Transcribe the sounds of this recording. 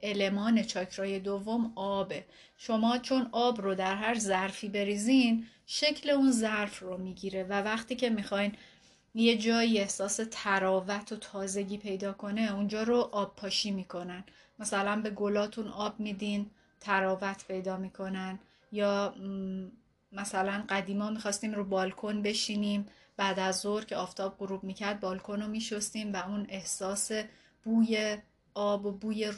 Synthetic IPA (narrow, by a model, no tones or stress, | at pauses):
ʔe̞le̞mɒːne̞t͡ʃʰɒːcʰɾɒːje̞d̪ovːo̞mɒːbe̞ | ʃo̞mɒːt͡ʃʰo̞nɒːbrod̪æɾɦæɾzæɾfiːbe̞ɾiːzinʃe̞cʰle̞unzæɾfromiːɟiːɾe̞vævæχt̪iːcʰe̞mixɒːjn | je̞d͡ʒɒːie̞hsɒːse̞t̪ʰæɾɒːvæt̪ʰot̪ʰɒːze̞ɟiːpʰe̞jd̪ɒːkʰo̞ne̞und͡ʒɒːɾoʔɒːb̚pʰɒːʃiːmiːkʰo̞næn | mæsælænbe̞ɡo̞lɒːt̪ʰunɒːbmiːd̪in | t̪ʰæɾɒːvæt̪ʰpʰe̞jd̪ɒːmiːkʰo̞næn | jɒː | mæsælænɢæd̪iːmɒːmixɒːst̪iːmɾuːbɒːlkʰo̞nbe̞ʃiːniːm | b̥æːd̪æzːoɾcʰeɒːft̪ʰɒːb̚ɢoɾuːb̚miːcʰæɾd̪̚bɒːlkʰonomiːʃo̞st̪iːmvæune̞hsɒːse̞ | b̥uːje | ɒːbobuːje